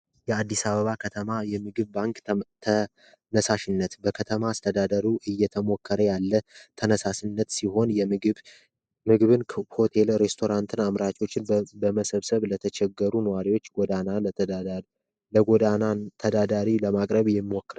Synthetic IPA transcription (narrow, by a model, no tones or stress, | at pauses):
jɛad̪ːisaβəβakʰət̪ʰəmajɛmɨɡɨβbaŋkt̪ʰə | nəsaʃɪnːət̪bəkʰət̪ʰəmaːst̪ʰəd̪ad̪əɾuʔɨjːɛt̪ʰəmo̞kʰːəɾəjalːət̪ʰənəsasnːət̪siɦo̞nj | mɨɡɨβɨnʰho̞t̪ʰe̞lɾe̞st̪ʰo̞ɾant̪ʰɨnamɾat͡ʃo̞t͡ʃːɪnbəməsəβsəβlət̪ʰət͡ʃɛɡːəɾunəwaɾiwo̞t͡ʃːɡod̪ana | əoanant̪ʰəd̪ad̪aɾiləmakʼɾəβjɛmːwokːɨɾ